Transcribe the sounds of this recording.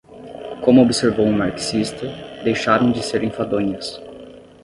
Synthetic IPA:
kõmʊobɪseɾvowũmaɾksist̪ɐd̪ejʃaɾɐ̃w̃d͡ʒɪseɾẽj̃fad̪õɲɐs

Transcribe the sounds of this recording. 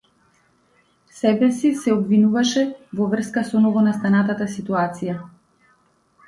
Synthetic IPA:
sɛbɛsisɛɔbvinuvaʃɛvɔvr̩skasɔnɔɡɔnast̪anat̪at̪asit̪uat̪sija

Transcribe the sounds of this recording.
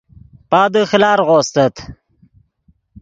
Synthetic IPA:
paːd̪əxlaːɾʁost̪ət̪

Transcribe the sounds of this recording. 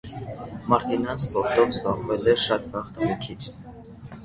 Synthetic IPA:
mɑɾt̪inɑnspɔɾt̪ɔvzbɑʁvɛlɛʃɑt̪vɑʁt̪əmikʰit͡sʰ

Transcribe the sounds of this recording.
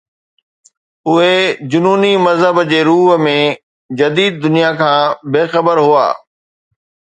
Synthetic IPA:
ʊɦed͡ʑʊnuːnimɐzɦəbd͡ʑeːɾuːɦmẽ | d͡ʑɐd̪iːd̪̚ːʊnijakʰãːbeːxɐbəɾɦʊa̰ː

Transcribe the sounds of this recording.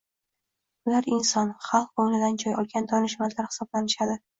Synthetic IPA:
ʊlaɾɪnsɒnχɑlˠq̚oŋnɪd̪and͡ʒɒjɒlˠɡʲand̪ɒnɪʃmalaɾhɪ̥sɒblanɪʃad̪ɪ

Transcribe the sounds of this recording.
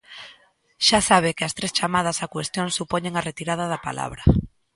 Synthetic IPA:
ʃasaβ̞ɪkɪɐst̪ɾest͡ʃamað̞asakwest̪joŋsupɔɲeŋaret̪iɾað̞aðapa̰la̰βɾa

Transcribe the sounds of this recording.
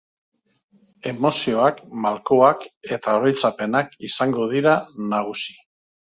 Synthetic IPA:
e̞mo̞sio̞akmalko̞ake̞t̪ao̞ɾojt͡sape̞nakisaŋɡo̞ð̞iɾanaɣ̞usi̥

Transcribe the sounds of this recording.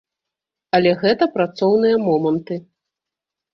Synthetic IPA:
ɐlʲɛɣɛt̪ɐpɾat̪sɔwnɨjɐmɔmɐnt̪ɨ

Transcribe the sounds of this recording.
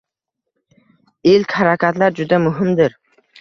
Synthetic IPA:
elkʲhaɾakʰʲat̪laɾd͡ʒʊd̪amʊɦɪmd̪ɪɾ

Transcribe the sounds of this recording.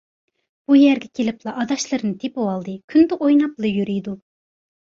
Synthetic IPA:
b̥ujæɾɡʲɛkʲʰelɪplˠɑʔɑd̪ɑʃlˠɨɾnɨt̪ʰepɨwɑlˠd̪ɨkʲʰynd̪ɛʔojnɑplˠɨjyɾyjd̪u

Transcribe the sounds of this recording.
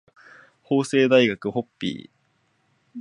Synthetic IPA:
ho̞ːse̞ːd̪aiɡakɯ̟ho̞pʲːḭː

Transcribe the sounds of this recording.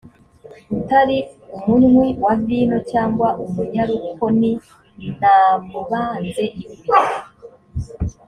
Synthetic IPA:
utaɾiumunwewaɡiːno̞t͡ʃaːŋɡwaʔumuɲaɾuko̞ni | n̥amuβaːnze̞ʔiβiɡwaɾa

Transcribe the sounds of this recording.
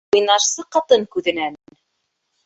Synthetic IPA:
ujnɑʃsɤqɑt̪ɤŋkʉðɘ̆nænn

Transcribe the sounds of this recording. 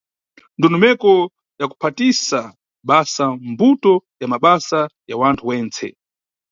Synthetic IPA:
ndɔnɔmɛkɔ | jaku̥pʰatisa | ɓasambutɔjamaɓasajawantʰuwɛːnt͡sʰɛ̰

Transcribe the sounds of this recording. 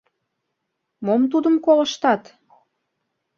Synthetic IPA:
momt̪ud̪əmkolə̆ʃt̪ɑt̪

